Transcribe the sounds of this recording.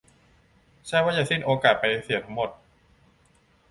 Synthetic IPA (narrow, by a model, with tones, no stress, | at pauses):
t͡ɕʰa˥˩waː˥˩jaː˨˩si˥˩nʔoː˧kaː˨˩t̪̚pa˧jsi˨˩˦t̪ʰa˦˥ŋmo˨˩t̪̚